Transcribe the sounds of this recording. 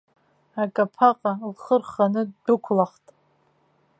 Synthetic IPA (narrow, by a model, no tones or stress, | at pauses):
akʼapʰaqʼalχərχanɨdʊkʷʰlaχtʼ